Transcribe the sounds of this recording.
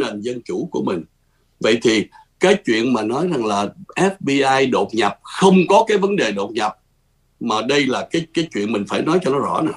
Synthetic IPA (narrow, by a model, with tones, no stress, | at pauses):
ne˨˩nzə˧nt͡ɕu˧˩ku˧˩əmï˨˩ŋ̟ | və̰˧˨jt̪ʰi˨˩ | kaː˨˦jt͡ɕwḭ˧˨ənmaː˨˩nɔ˨˦jza˨˩ŋlaː˨˩ʔɛ˦˥p̚ɓi˧ʔaː˧jɗo˨˩t̚ɲa˨˩p̚xə˧wŋ͡mkɔ˨˦kaː˨˦jvə˨˦nɗe˨˩ɗo˨˩t̚ɲa˨˩p̚ | maː˨˩ɗə˧jlaː˨˩kaː˨˦jkaː˨˦jt͡ɕwḭ˧˨ənmï˨˩ŋ̟faː˧˩jnɔ˨˦jt͡ɕɔ˧nɔ˨˦zɔ̰˧˥˩na˨˩